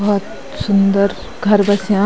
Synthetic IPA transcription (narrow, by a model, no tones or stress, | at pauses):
t̪ | sund̪əɾ | ɡʱɐɾbɐsjã